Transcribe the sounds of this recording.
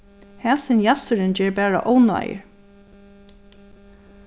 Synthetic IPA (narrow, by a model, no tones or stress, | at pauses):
hæːsɪnjast̪əɾɪnd͡ʒɛːɹbæːɹa̰ʔɔːwna̰jə̰ɹ